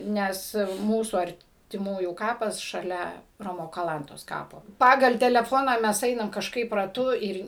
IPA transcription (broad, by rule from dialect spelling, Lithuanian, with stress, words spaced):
ˈnʲɛs ˈmuːsuː ɐrʲtʲɪˈmuːjuː ˈkɑːpɐs ʃɐˈlʲɛ ˈroːmoː kɐˈlˠɐntoːs ˈkɑːpoː ˈpɑːɡɐlˠ tʲɛlʲɛˈfoːnɐ mʲɛs ˈɛɪnɐm kɐʃˈkɐɪp rɐˈtʊ ˈɪr